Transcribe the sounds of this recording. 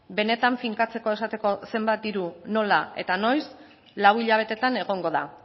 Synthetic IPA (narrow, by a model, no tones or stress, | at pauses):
be̞ne̞t̪aɱfiŋkat͡se̞ko̞e̞sat̪e̞ko̞se̞mbat̪̚d̪iɾuno̞lae̞̰t̪ano̞js | lawiʎaβ̞e̞t̪e̞t̪ane̞ɣ̞o̞ŋɡo̞ða